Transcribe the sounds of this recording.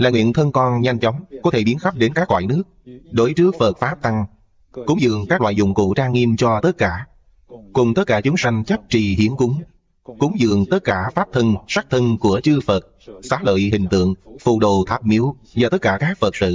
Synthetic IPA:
laː˨˩ŋwḭ˧˨ənt̪ʰə˧nkɔ˧nɲa˧jŋ̟t͡ɕɔ˨˦wŋ͡mkɔ˨˦t̪ʰe˧˩ɓi˨˦ənxa˦˥p̚ɗe˨˦nkaː˦˥k̚lwa̰ː˧˨jnɨ˦˥ək̚ɗo˨˦jt͡ɕɨ˦˥ək̚fə˨˩t̚faː˦˥p̚t̪a˧ŋ | kʊ˨˦ŋ͡mzɨ̰˧˨əŋkaː˦˥k̚lwa̰ː˧˨jzʊ̰˧˨˩ŋ͡mkṵ˧˨t͡ɕaː˧ŋŋi˧mt͡ɕɔ˧t̪ə˦˥t̚kaː˧˩ | kʊ˨˩ŋ͡mt̪ə˦˥t̚kaː˧˩t͡ɕʊ˨˦ŋ͡msa˧jŋ̟t͡ɕə˦˥p̚t͡ɕi˧˨hi˨˦ənkʊ˨˦ŋ͡m | kʊ˨˦ŋ͡mzɨ̰˧˨əŋt̪ə˦˥t̚kaː˧˩faː˦˥p̚t̪ʰə˧nsa˦˥k̚t̪ʰə˧nku˧˩ət͡ɕɨ˧fə˨˩t̚ | sa̰ː˧˩˥lə̰ː˧˨jɦï˨˩ŋ̟t̪ɨ̰˧˨əŋfṵ˧˨ɗo˨˩t̪ʰaː˦˥p̚mi˨˦əw | vaː˨˩t̪ə˦˥t̚kaː˧˩kaː˦˥k̚fə˨˩t̚sɨ̰˧˨

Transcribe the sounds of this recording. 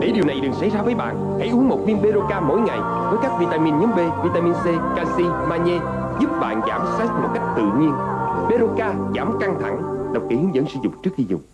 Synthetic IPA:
ɗḛ˧˩ɗi˨˩əwna˨˩jɗɨ˨˩ŋsa̰˧˥jzaː˧vəː˨˦jɓa̰ː˧˨n | ha̰˧˥jʔu˨˦əŋmo˨˩t̚vi˧ənɓe˧zo˧kaː˧mo̰˧˥˦jŋa˨˩j | vəː˨˦jkaː˦˥k̚vi˧t̪aː˧mi˧nɲɨ˨˦˥ŋɓe˧vi˧t̪aː˧mi˧nse˧kaː˧si˧ | maː˧ɲe˧ | zu˦˥p̚ɓa̰ː˧˨nza̰ː˧˩msa˦˥t̚mo˨˩t̚ka˦˥jk̚t̪ɨ̰˧˨ɲi˧ənɓe˧zo˧kaː˧zaː˧˩mka˧ŋt̪ʰa̰˧˩ŋɗə˨˩wk͡pki˨˦hɨ˨˦əŋzə̰˧˥ŋsɨ̰˧˦zʊ˨˩ŋ͡m̚t͡ɕɨ˦˥ək̚xi˧zʊ̰˨˩ŋ͡m̚

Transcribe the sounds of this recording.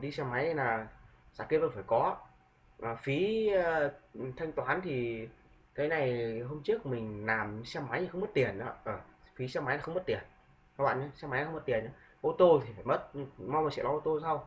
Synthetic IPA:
ɗi˧sɛ˧ma˨˦ja˧jnaː˨˩ | za̰ː˧˩ke˧və̰˧˩nfaː˧˩jkɔ˨˦ | ʔə˨˩fi˨˦˧ | t̪ʰa˧jŋt̪waː˨˦nt̪ʰi˨˩ | k̪ə˨˦jna˨˩jɦo˧mt͡ɕɨ˦˥ək̚mï˨˩ŋ̟laː˨˩m˨˦sɛ˧mːa˨˦ji˨˩xə˧wŋ͡mmə˦˥t̚t̪i˨˩ənʔaː˨˦ʔəː˧˩fi˨˦sɛ˧ma˨˦jnaː˨˩xə˧wŋ͡mmə˦˥t̚t̪i˨˩ən | ka˦˥k̚ɓa̰ː˧˨nt͡ɕa˨˧˦sɛ˧ma˨˦ja˧xwŋ͡mə˦˥t̚t̪i˨˩əna˨˦ | ʔo˧t̪o˧t̪ʰi˨˩faː˧˩jmə˦˥t̚ma˧wma˨˩sɛ̰˧˨lɔ˨˦ʔo˧t̪o˧saː˧w

